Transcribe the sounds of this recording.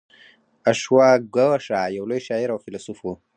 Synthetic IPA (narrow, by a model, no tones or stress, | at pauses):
aʃwaɡawaʂajawlojʃɑiɾawfɪlasufu